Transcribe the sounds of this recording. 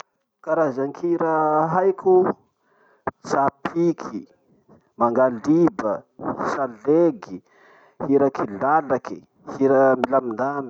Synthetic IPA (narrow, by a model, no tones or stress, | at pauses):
kaɾazaŋkʰiɾaɦajkʲu | sapʰikʰi | maŋɡalibəsaleɡi | hiɾakilalaki | hiɾamilamind̪ami